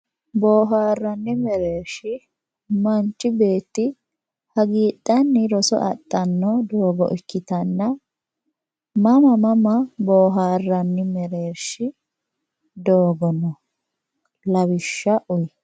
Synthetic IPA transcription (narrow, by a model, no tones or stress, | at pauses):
boːɦaːrːɐnːɪmɛɾeːɾʃɪ | mɐnt͡ʃːɪbe̞ːt̪ːɪ | hɐɡiːɗ̪ːɐnːɪɾɔsɔ̰ʔɐ̰t̪ʼːɐnːɔd̪oːɡɔ̰ʔɪkːɪt̪ɐnːɐ | mɐmɐmɐmɐboːɦaːrːɐnːɪmɛɾe̞ːɾʃɪ | d̪oːɡɔnɔ | lɐwɪʃːɐʔʊj